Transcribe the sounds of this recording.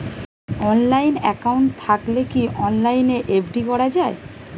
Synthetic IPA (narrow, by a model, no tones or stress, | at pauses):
ɔnlajnɛkawɳʈt̪ʰaklekiʔɔnlajneʔebɖikɔɾad͡ʑae